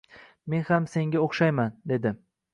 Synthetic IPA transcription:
me̞nhamse̞ŋɡʲaoχʃajmand̪e̞d̪ɪ

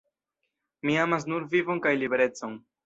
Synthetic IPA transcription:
miamas̬nuɾvivo̞nkajlibe̞ɾe̞t͡so̞n

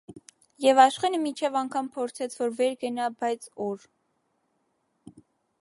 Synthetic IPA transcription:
jɛvɑʃχɛnəmit͡ʃʰɛvɑŋkʰɑmpʰɔɾt͡sʰɛt͡sʰvɔɾvɛɾɡənɑbɑjt͡sʰɔɾ

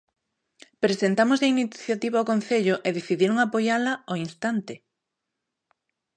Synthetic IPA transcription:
pɾesent̪amozðeiniθjat̪iβaokõnθeʎoʔeðeθiðiɾoŋapojalɐoinst̪ant̪e

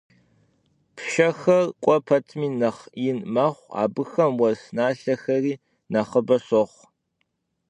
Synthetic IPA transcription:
pʰʃɐxɐrqʷʼɔpʰɐtʰmiːnɐχinmaχʷa̰ːbɨxɐmwɐsnaːɬɐxɐriː | nɐχəbɐsɔχʷ

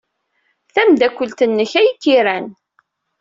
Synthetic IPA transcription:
θæmd̪ækʷːəlt̪ənːəçæjikːiɾæn

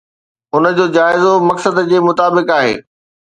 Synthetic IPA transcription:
ʊnə̆d͡ʑoːd͡ʑaːɪzomɐksəd̪d͡ʑeːmʊt̪aːbɪkaːɦḛː

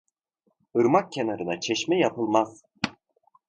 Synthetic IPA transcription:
ɯɾmak̚cʰːenaɾɯnat͡ʃʰɛʃmɛjapʰɯlˠmaz̥

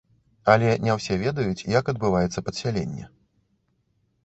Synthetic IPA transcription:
ɐlʲɛnʲɛwsʲɛvʲɛd̪ɐjut͡sʲjɐkɐd̪̚bɨvajɛt̪sːɐpɐt̪sʲalʲɛnʲːɛ

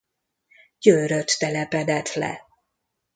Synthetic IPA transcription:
ɟøːɾøt̪ːɛlɛpɛd̪ɛt̪lɛ̰

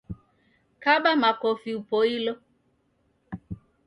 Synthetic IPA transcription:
kaɓamakɔfiupoilo

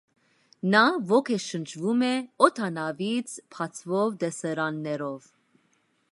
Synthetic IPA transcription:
nɑvɔkʰɛʃənt͡ʃʰvumɛɔt̪ʰɑnɑvit͡sʰpʰɑt͡sʰvɔvd̪ɛsɛɾɑnːɛɾɔv

